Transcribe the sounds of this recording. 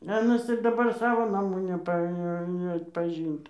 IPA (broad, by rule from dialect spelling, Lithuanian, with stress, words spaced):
ɐ ɜnɐs ɪr dɐˈbɐr ˈsɑːʋoː nɐˈmuː nʲɛˈpɐ nʲɛɐtpɐˈʒʲɪnt